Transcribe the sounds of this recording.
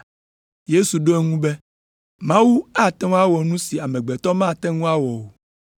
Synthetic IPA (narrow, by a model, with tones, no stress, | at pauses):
je˦su˨ɖo˦e˦ŋũ˦bɛ˦ | mã˦wu˦a˦t̪ɛ̃˦a˦wɔ˨nũ˦si˨a˨mɛ̃˨ɡ͡bɛ˨t̪ɔ˦mã˦˨t̪ɛ̃˦ŋũ˦a˦wɔ˨wo˨